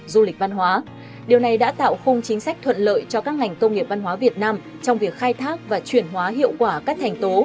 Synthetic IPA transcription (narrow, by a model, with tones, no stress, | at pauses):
zu˧lï˨˩k̟̚va˧nɦwaː˨˦ | ɗi˨˩əwna˨˩jɗa̰ː˧˥t̪a̰ː˧˨wxʊ˧wŋ͡mt͡ɕï˨˦ŋ̟sa˦˥k̚t̪ʰwə̰˧˨nlə̰ː˧˨jt͡ɕɔ˧kaː˦˥k̚ŋa˨˩jŋ̟kə˧wŋ͡mŋi˨˩əp̚va˧nɦwaː˨˦vi˨˩ət̚naː˧m | t͡ɕɔ˧wŋ͡mvi˨˩ək̚xaː˧jt̪ʰaː˦˥k̚vaː˨˩t͡ɕwi˧˩ənɦwaː˨˦ɦḭ˧˨əwkwaː˧˩kaː˦˥k̚t̪ʰɛ˨˩jŋ̟t̪o˨˦